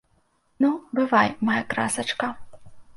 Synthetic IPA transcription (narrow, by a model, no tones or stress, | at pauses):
nubɨvajmajakɾa̰sɐt͡ʂkɐ